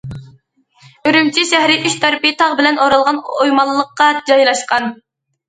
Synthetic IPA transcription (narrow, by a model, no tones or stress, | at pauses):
øɾymt͡ʃʰiʃæhɾɪʔyʃt̪ʰæɾpit̪ʰɑʁbɪlɛnoɾɑlˠʁɑnojmɑlˠːəqːɑd͡ʒɑjlˠɑʃqɑn